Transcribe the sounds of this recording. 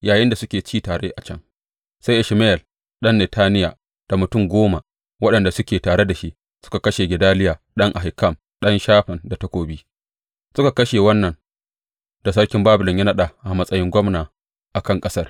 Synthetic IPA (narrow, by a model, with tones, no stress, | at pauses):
jaː˨jɪ˦nda˨sʊ˦kʲeː˨t͡ʃiː˦taː˨ɽeː˦ʔa˨t͡ʃɐ˦ŋ | sa˦jʔɪ˨ʃme˦ɛ˨l | ɗɐ˦nːe˨tʰaː˦nɪ˦ja̰ː˨ | d̥a˨mʊ˨tʊ˦˨ŋɡʷoː˦ma˨ | wɐ˦ɗɐ˨nda˨sʊ˦kʲeː˨taː˨ɽe˦da˨ʃi˦ʔ | sʊ̥˦ka˨kɐ˦ʃe˨ɡʲɪ˨daː˦lɪ˦jaː˨ | ɗɐ˦ŋʔa˨ɦɪ˨kːɐ˦˨m | ɗɐ˦nʃaː˦ɸɪ˨nda˨tɐ˦kʷoː˨biː˦ | sʊ˦ka˨kɐ˦ʃeː˨wɐ˦nːɐ˨n | d̥a˨sɐ˦rkʲɪ˦mbaː˦bʊ˨lɪ˨ɲjɐ˦nɐ˦ɗaː˨ʔa˨mɐ˦sʼɐ˦jɪ˦ŋɡʷɐ˦mnaː˨ | ʔa˨kɐ˦˨ŋkʼɐ˦sɐ˦r